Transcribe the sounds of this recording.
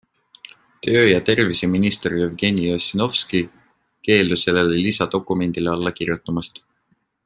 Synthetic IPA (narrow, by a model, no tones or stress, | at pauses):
t̪ø̞ːjɑt̪e̞rviseminist̪erjyvɡe̞niosino̞fski | ke̞ːluse̞lːelelisɑd̪o̞kːˑume̞nd̪̥ileɑlːɑkiɾjut̪ːˑumɑst̪